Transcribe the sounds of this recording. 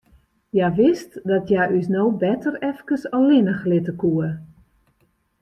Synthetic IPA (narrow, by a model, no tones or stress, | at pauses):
jaʋɪstdɔtʰjaʔysnowbɛtərɛfkəsɔlɪnəxlɪtəkuə